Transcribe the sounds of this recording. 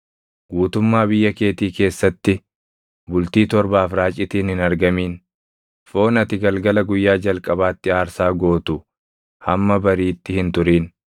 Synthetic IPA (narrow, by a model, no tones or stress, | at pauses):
ɡ̥uːt̪ʊmːaːbɪjːɐke̞ːt̪iːke̞ːsːɐt̪ːɪ | bʊlt̪iːt̪ɔɾbaːfɾaːt͡ʃʼɪt̪iːnhɪnɐɾɡɐmiːn | fo̞ːnɐt̪ɪɡɐlɡɐlɐɡʊjːaːd͡ʒɐlkʼɐbaːt̪ːɪaːɾsaːɡo̞ːt̪ʊ | hɐmːɐbɐɾiːt̪ːɪhɪnt̪ʊɾiːn